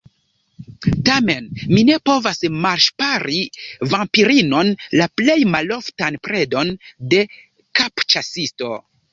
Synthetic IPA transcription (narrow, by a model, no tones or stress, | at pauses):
tame̞nmine̞po̞vasmaɾʃpaɾivampiɾino̞nlaple̞jmalo̞ftanpɾe̞do̞nde̞ | kapt͡ʃasisto̞